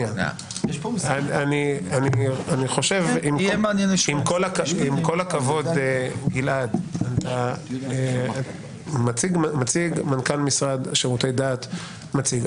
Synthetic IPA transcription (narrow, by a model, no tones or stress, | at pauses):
an | jʃpoaanianianiχo̞ʃevimmanjenʃimkolakimko̞lakavo̞d̪eɡilʔad̪at̪a | mat͡siɡmat͡siɡmankalmisʁad̪ʃeʁutejd̪aːt̪ | mat͡siɡ